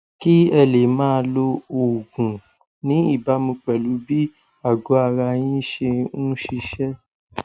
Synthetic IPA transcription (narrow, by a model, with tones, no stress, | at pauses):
ki˦ɛ˦˨le˨mãː˦˧lo˧o˨ɡũ˨ | nĩ˨˦i˦˨ba˨˦mũ˧k͡pɛ˨lu˨˦bi˦ | a˦˨ɡo˨˦a˧ɾa˧j̃ĩ˦ʃe˧nũ˦ʃi˧ʃɛ˦